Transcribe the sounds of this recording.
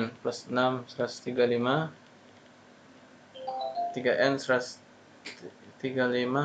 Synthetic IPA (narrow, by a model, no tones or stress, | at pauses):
nplasənamsɾast̪iɡalima | t̪iɡaʔɛnsɾas | t̪iɡalima